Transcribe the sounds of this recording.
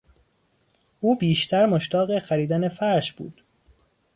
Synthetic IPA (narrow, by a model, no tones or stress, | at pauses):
ʔuːbiːʃt̪ʰæɾmoʃt̪ɒːɣexæɾiːd̪ænefæɾʃb̥ṵːd̪̥